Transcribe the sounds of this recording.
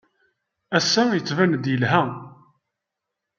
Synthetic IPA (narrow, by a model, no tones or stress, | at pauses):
æsːæjət͡sːvænd̪jəlɦæ